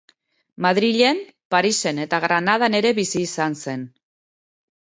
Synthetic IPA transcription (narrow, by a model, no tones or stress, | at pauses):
maðɾiʎe̞m | paɾise̞ne̞t̪aɣɾanaðane̞ɾe̞βisiːsanse̞n